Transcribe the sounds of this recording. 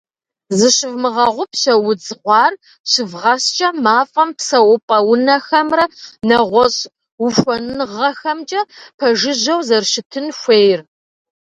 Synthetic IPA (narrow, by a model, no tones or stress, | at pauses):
zɨɕɪvmɨʁɐʁʷʊpʰɕɐwʊd͡zqʷɑːr | ɕɪvʁɐst͡ʃʼɐmaːfʼɐmpsɐwʊpʼɐwʊnɐxɐmrɐnɐʁʷɔɕ | wʊxʷɔnnʁɐxɐmt͡ʃʼɐpʰɐʒɪʑɐwzɐrʃɪtʰɨnxʷeːjr